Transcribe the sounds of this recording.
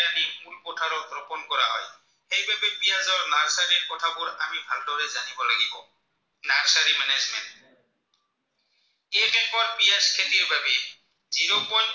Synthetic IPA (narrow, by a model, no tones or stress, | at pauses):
animulpɔtʰaɾɔtɾɔpɔnkɔɹa̰ɦɔ̰j | xejbabɛpijazɔɹnaɹsaɾiɹkɔtʰabʊɹamibʱaldɔɹɛzanibɔlaɡibɔ̰ | naɹsaɾimɛnɛzmɛ̰nt | ɛkɛkɔɹpijaskʰeliebabɛ | ziɾopɔj